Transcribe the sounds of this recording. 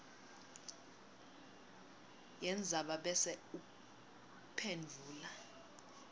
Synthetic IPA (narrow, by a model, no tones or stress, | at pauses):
jɛnd͡zʱaɓaɓɛsɛuk | pʰend͡ɮʱuːla